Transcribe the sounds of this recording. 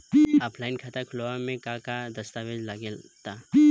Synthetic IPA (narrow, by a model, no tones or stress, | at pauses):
apʰlaɪnkʰat̪akʰʊloamẽkakad̪ɐst̪aʋed͡ʒlaɡelt̪a